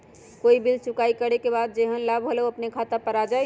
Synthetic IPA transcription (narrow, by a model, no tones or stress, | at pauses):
koːibilt͡ʃʊkaːikəɽekebaːd̪̚d͡ʒeɦənlabɦoleɐpnekʰat̪apəɾad͡ʒa